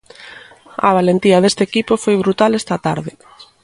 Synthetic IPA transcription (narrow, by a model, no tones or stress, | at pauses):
ɐ̰β̞alent̪iɐðest̪ekipofojβɾut̪alest̪ɐt̪aɾðɪ